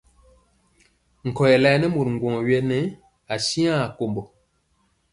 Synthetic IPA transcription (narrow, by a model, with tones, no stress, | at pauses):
ŋ̩˨kɔ˨jɛ˨lɛ˦˨˦nɛ˦mu˨ɾŋ̩˨ɡwɔ˨ŋ˨ɥjɛ˦nɛ˨˦ | a˨si˦a˦a˨ko˨mbɔ˨